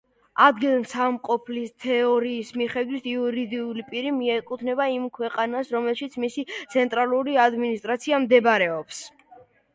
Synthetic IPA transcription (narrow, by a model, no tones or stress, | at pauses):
ad̪ɡilˠmsamqʼɔpʰlist̪ʰɛɔɾiːsmiχɛd̪wit̪ʰiuɾid̪iulipʼiɾimiɛkʼut̪ʰnɛbaimkʰwɛqʼanasɾɔmɛlˠʃit̪sʰmisit̪sʰɛnt̪ʼɾalˠuɾiad̪minist̪ʼɾat̪sʰiamd̪ɛbɾɛɔps